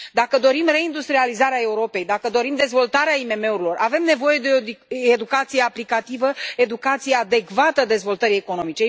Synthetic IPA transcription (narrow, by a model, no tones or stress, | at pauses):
d̪akəd̪o̞ɾimre̞ind̪ust̪ɾializaɾeae̞uɾo̞pe̞jd̪akəd̪o̞ɾimd̪e̞zvo̞lt̪aɾeaime̞me̞uɾilo̞rave̞mne̞vo̞je̞d̪eed̪ukat̪sijeaplikat̪ivəe̞d̪ukat̪sijead̪e̞kvat̪əd̪e̞zvo̞lt̪əɾieko̞no̞mit͡ʃe